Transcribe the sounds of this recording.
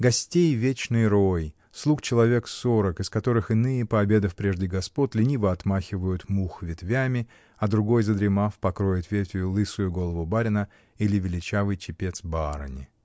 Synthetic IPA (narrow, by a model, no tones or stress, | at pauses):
ɡɐsʲtʲejvʲet͡ɕnɨjɾo̞j | slˠukt͡ɕɪlˠɐvʲe̞kso̞ɾəkɪskɐt̪o̞ɾɨxɪnɨjəpəɐbʲe̞d̪əfpɾʲe̞ʐdʲɪɡɐspo̞t̪ʲlʲɪnʲivəɐt̪maxʲɪvəjʊt̪muxvʲɪt̪vʲamʲɪ | ɐd̪ɾʊɡo̞jzəd̪ɾʲɪmafpɐkɾo̞jɪt̪vʲetʲjʊlˠɨsʊjʊɡo̞lˠəvʊbaɾʲɪnə | ilʲɪvʲɪlʲɪt͡ɕavɨjt͡ɕɪpʲe̞t̪sbaɾə̰nʲɪ̰